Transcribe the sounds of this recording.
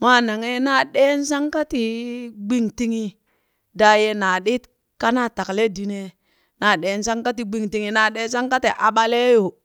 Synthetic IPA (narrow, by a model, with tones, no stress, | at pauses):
ma˦na˨ŋe˦na˦ɗe˦n˦s̬a˦ŋka˦ti˨ɡ͡bi˦ŋti˦ŋi˦ | da˨je˦na˨ɗi˦t | ka˦na˦ta˨kle˦di˨ne˦ | na˨ɗe˨˦nsa˦ŋka˦ti˨ɡ͡bi˨ŋti˨ŋi˨na˨ɗe˦sa˦ŋka˦ti˨ʔa˨ɓa˦le˦jo˨